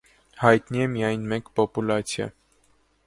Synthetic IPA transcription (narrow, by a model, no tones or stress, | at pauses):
hɑjt̪niɛmijɑjnmɛkpɔpulɑt͡sʰjɑ̰